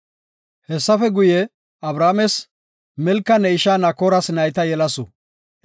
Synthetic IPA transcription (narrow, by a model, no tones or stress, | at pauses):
hɛsːɐfɛɡʊjɛ | ɐbɾaːmɛs | mɛlkːɐnɛɪʃaːnɐkɔɾɐsnɐjt̪ɐjɛlɐsɔ